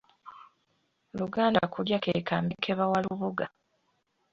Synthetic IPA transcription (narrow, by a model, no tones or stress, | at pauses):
luɡaːnda̰kuljakeka̰ːmekʰeβawaluβuɡa